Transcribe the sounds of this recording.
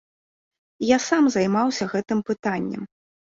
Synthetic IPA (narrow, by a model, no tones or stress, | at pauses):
jasamzɐjmawsʲɐɣɛt̪ɨmpɨt̪anʲːɛ̰m